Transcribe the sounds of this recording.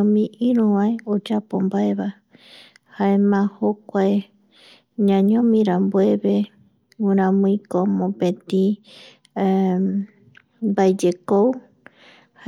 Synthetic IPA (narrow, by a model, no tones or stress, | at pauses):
õmĩʔĩɾũβãeod͡ʒapombaeβa | haemãhokʷae | ɲãɲõmĩɾambueβe | ũɾ̃ãmũĩkomõpẽt̪ĩ | baed͡ʒekow | h